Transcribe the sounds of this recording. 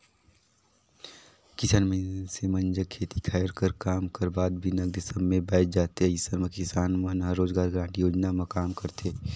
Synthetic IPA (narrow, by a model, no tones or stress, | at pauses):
kɪsaːnmẽsemɐ̃nd͡ʒəkʰeːt̪ikʰaːɾkəɾkaːmkɐɾbaːd̪̚bʱinɐɡd̪ɪsəbmẽbɛːt̪̚d͡ʒaːt̪eɦɛ̃ɪsəɾməkɪsaːnmɐnɦɐɾoːzɡaːɾɡɾãːɳʈijoːd͡ʒnamɐkaːmkɐɾt̪e